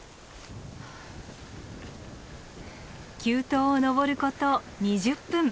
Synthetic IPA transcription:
kʲɨːt̪oːono̞βo̞ɾɯ̟ko̞t̪o | ɲiʑɨpːɯ̃ŋ

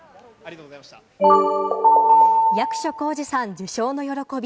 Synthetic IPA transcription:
jakɯ̟̥ɕo̞ko̞ːd͡ʑisãɲ̟d͡ʑɨɕo̞ːno̞jo̞ɾo̞ko̞bʲi

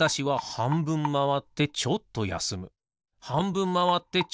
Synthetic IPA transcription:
aɕiβahãmbɯ̟̃mːaβat̪ːe̞t͡ɕo̞t̪ːo̞ja̰sɨmɯ̟ | hãmbɯ̟̃mːaβat̪ːe̞t͡ɕ

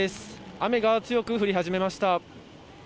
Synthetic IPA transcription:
esɨ̥ame̞ɡat͡sɨjo̞kɯ̟ɸɯ̟ɾʲiɦaʑime̞maɕi̥t̪a

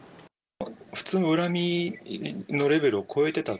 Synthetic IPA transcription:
ɸɯ̟̥t͡sɨːno̞ɯ̟ɾamʲi | no̞ɾe̞be̞ɾɯ̟okʰo̞e̞t̪e̞t̪a

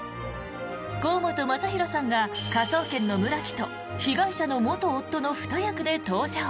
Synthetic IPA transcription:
ɡ̥o̞ːmot̪o̞masaçiɾo̞sãŋɡakaso̞ːkẽ̞nːo̞mɯ̟ɾakʲi̥t̪o̞ | çiɡaiɕano̞mot̪oːt̪ːo̞no̞ɸɯ̥t̪ajakɯ̟d̪e̞t̪o̞ːʑa

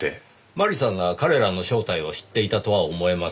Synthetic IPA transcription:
e | maɾʲisãŋ̃ɡakaɾe̞ɾano̞ɕo̞ːt̪aio̞ɕi̥t̪ːe̞it̪at̪o̞βaomo̞emas

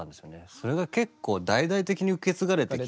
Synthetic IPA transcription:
ãnd̪e̞sɨjoneso̞ɾe̞ɡake̞kːo̞ːd̪aid̪ait̪e̞kʲiɲ̟iɯke̞t͡sɨɡaɾe̞t̪e

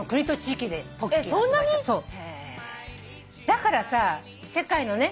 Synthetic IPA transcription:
okɯ̟ɲ̟it̪o̞t͡ɕiːkʲid̪e̞oesõnːaɲ̟iso̞ːe | d̪̥akaɾasa | se̞kaino̞ne̞

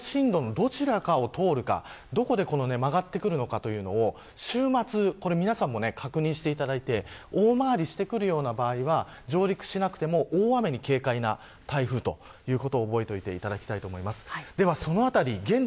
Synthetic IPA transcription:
ɕĩnd̪o̞no̞d̪o̞t͡ɕiɾakao̞t̪ʰo̞ːɾɯ̟ka̰ | d̪o̞ko̞d̪e̞ko̞no̞ne̞maɡat̪ːe̞kɯ̟ɾɯ̟no̞kat̪o̞jɯ̟ːno̞̰ː | ɕɨːmat͡sɨko̞ɾe̞mʲinasãmːo̞ne̞kʰakɯ̟ɲ̟ĩɕi̥t̪e̞it̪ad̪ait̪e̞oːmaːɾʲiɕi̥t̪e̞kɯ̟ɾɯ̟jo̞ːnabaːiβa | d͡ʑo̞ːɾʲikɯ̟̥ɕinakɯ̟̥t̪e̞mo̞ʔoːame̞ɲ̟ike̞ːkaina̰ | t̪aiɸɯ̟ːt̪o̞ | jɯ̟ːko̞t̪o̞ːbo̞et̪o̞it̪e̞̰it̪ad̪akʲi̥t̪ait̪o̞ːmo̞imasɨ̥d̪e̞β̞aso̞no̞at̪aɾʲiɡẽ̞n

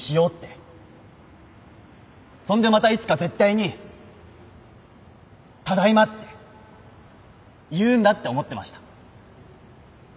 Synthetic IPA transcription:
ɕijo̞ːt̪ːe̞ | sõ̞nd̪e̞mat̪ait͡sɨ̥kaze̞t̪ːaiɲ̟i | t̪ad̪aimat̪ːe̞ | jɯ̟̃ːnd̪at̪ːe̞o̞mo̞t̪ːe̞ma̰ɕi̥t̪ḁ

